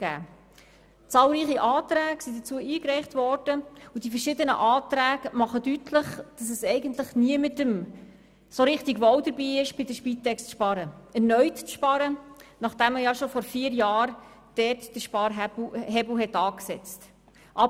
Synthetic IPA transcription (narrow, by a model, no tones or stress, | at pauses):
ɡæ̰ː | t͡sɑːlɾiːχiʔɑːt̪ɾæːɡsidət͡suːəiːkɾɛɪχtvɔrd̥əudifəɾʃɪdənə̰ʔɑːtɾæːɡəmɑχədytʰlɪχd̥ɑs̬ɛsɛɪɡəntlɪχniəmɪtəm | soɾɪχtiɡʋɔwdəɾbiːɪʃb̥ɪdəʃpiːt̪ːɛkst͡sʃpɑɾəɛrnœʏtt͡sʃpɑɾənɑχd̥æməjɑʃofɔɾfiːəɾjɑːr | d̥ɛːtd̥əʃpɑːɾɦɦɛbl̩ɦɛtɑːksɛt͡st | ʔɑ